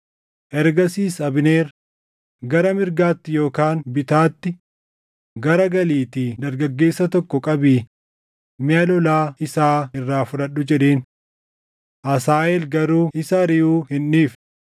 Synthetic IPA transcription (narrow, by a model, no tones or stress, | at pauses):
ʔɛɾɡɐsiːsɐbɪneːɾ | ɡɐɾɐmɪɾɡaːt̪ːɪjo̞ːkaːnbɪt̪aːt̪ːɪ | ɡɐɾɐɡɐliːt̪id̪ɐɾɡɐɡːe̞ːsːɐt̪ɔkːɔkʼɐbiː | mɪɐlɔlaːɪsaːɪrːaːfʊᶑɐɗːʊd͡ʒɛᶑe̞ːn | ʔɐsaːɛlɡɐɾuːʔɪsɐɾɪjuːhɪnːiːf